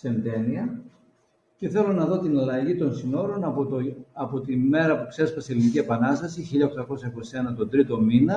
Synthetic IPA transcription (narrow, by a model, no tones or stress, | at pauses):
se̞nd̪e̞niɐ | ce̞θe̞lo̞nɐðo̞t̪inɐlɐʝit̪o̞nsino̞ɾo̞nɐp̪ɐpo̞t̪ime̞ɾɐpukse̞spɐseelinicie̞pɐnɐst̪ɐsiçiʎɐo̞xt̪ɐko̞sɐiko̞sie̞nɐt̪o̞d̪ɾit̪o̞minɐ